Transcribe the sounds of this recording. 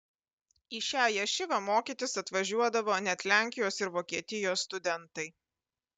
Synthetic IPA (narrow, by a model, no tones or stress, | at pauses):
iːʃʲæːjɛʃʲɪʋɐmoːkʲiːt̪ʲɪsɐt̪ʋɐʒʲuɔd̪ɐʋoːnʲɛt̪ʲlʲæˑŋʲkʲɪjoːsɪɾʋoːkʲiɛt̪ʲɪjoːsːt̪ʊd̪ʲɛnt̪ɐɪ